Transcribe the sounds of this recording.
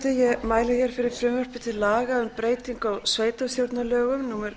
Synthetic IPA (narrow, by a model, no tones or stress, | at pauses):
t̪ɪjɛmaːjlɪçɛɾ̥fɪɾɪɾ̥fɾʏmœr̥pɪt̪ʰɪlaːɣaʏmpɾeːjt̪iŋkawsveːjt̪awst̪jowɾt̪nalœːɣʏmnuːmɛɾ